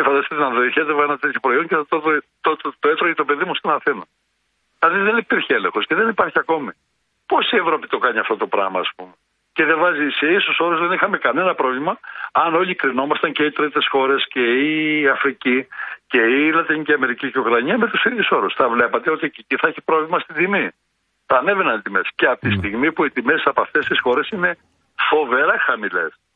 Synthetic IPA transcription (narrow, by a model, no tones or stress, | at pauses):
efɐnd̪ɐsi̥it̪enɐðoiçet̪evenɐt̪et̪çopɾoioɲceθɐt̪oðo | t̪ot̪t̪oet̪ɾoit̪o̞pe̞ðimust̪onɐθinɐ | ilɐðiðenipiɾçeelḛ̃ŋxo̞sceðenipɐɾçiɐko̞mi | po̞sie̞vɾo̞pit̪o̞kɐɲiɐft̪o̞t̪o̞pɾɐ̰ɣmɐ̰ːspume | ce̞ðevɐziseisuso̞ɾuzðenixɐme̞kɐne̞nɐpɾo̞vlimɐɐno̞ʎikɾino̞mɐst̪ɐɲceit̪ɾit̪e̞sxo̞ɾe̞sceːɐfɾicice̞ilɐt̪iniciɐme̞ɾiciceukɾɐɲiɐme̞t̪usiðjuso̞ɾusθɐvle̞pɐt̪e̞o̞t̪iceciθɐeçipɾovlimɐst̪id̪imi | θɐːne̞venɐnt̪ime̞sceɐpt̪ist̪iɣmipuit̪imesɐpoɐft̪e̞st̪isxo̞ɾe̞sine̞ | fo̞ve̞ɾɐxɐmile̞̰s